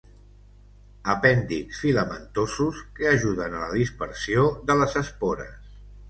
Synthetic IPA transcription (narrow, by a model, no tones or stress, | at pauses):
əpɛnd̪iksfiləmə̰nt̪osuskəəʒuðənələðispəɾsioðələzəspoɾə̰s